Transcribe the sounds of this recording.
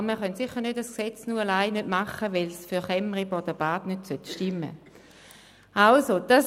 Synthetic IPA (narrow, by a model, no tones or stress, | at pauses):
məχœntsɪχəʁnøtasksɛt͡snuːalaɪnødmaχəʋɛlsfyɐχɛməʁibɔd̥ɐb̥aːdnøtsœtʃtɪmːə̰ | ʔalsod̥as